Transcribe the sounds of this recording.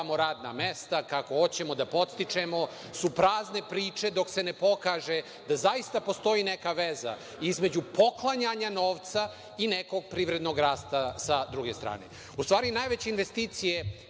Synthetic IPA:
moɾaːd̪na̰mest̪akako̞o̞t͡ɕe̞mo̞d̪apo̞t̪st̪it͡ʃe̞mo̞ | supɾaːzne̞pɾiːt͡ʃed̪o̞kse̞nepo̞kaːʒe | d̪azaist̪apo̞st̪o̞iːnekaʋeza̰ | izme̞d͡ʑupo̞klˠaɲaɲano̞ːʋt̪sa | ineko̞ɡ̚pɾiːʋɾed̪no̞ɡɾaːst̪asad̪ɾuɡe̞ːst̪ɾa̰ːnḛ | ust̪ʋaːɾinajʋet͡ɕeinʋe̞st̪iːt̪sije

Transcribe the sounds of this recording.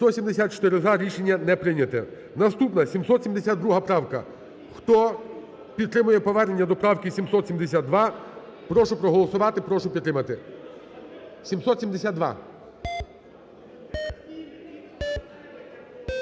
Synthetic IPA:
st̪ɔsʲimd̪esʲat̪t͡ʃɔ̥t̪ɪɾɪzaɾʲiʃenʲːɐnɛpɾɪnʲɐt̪ɛ | nɐst̪upnɐsʲimsɔt̪sʲimd̪esʲad̪ɾuɦɐpɾɑwkɐ̰ | xt̪ɔ | pʲid̪t̪ɾɪmʊjɛpɔʋɛrnenʲːɐd̪ɔpɾɑwkisʲimsɔt̪sʲimd̪esʲad̪d̪ʋɑ | pɾɔʃʊpɾɔɦɔlˠɔsʊʋɑt̪ɪpɾɔʃʊpʲid̪ɾɪmɐt̪ɪ | sʲimsɔt̪sʲimd̪esʲad̪̚d̪ʋɑ̰

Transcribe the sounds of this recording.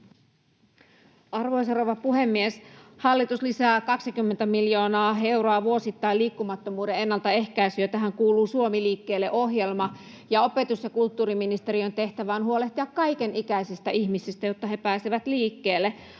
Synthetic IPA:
ɑrʋo̞js̬eroʋɑpuɦemːieshɑlːit̪uslisæːkɑksikymːent̪æmiljo̞ːnɑːe̞wɾoɑʋuo̞sit̪ːɑiliːkːumɑt̪ːomuːdeenːɑlt̪ɑe̞hkæisyøt̪æɦæŋkuːluːsuomiliːkːe̞ːlːeʔo̞ɦje̞lmɑ | jɑo̞pe̞t̪usjɑkult̪ːuːɾiminist̪e̞ɾio̞nt̪e̞ht̪æʋæonhuo̞le̞ht̪iɑkːɑjkenikæisist̪æʔiçmisist̪æjot̪ːɑɦe̞pæːsiʋæt̪liːkːe̞ːlːe

